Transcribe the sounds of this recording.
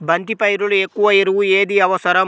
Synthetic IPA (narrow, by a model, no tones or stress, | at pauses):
bɐnt̪ipɐjiɾuluekːuʋɐiɾuʋueːd̪iɐʋɐsɐɾɐ